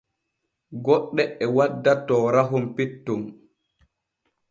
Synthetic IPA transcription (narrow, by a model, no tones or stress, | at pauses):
ɡɔɗːɛɛwadːatɔːɾaɦumpitːum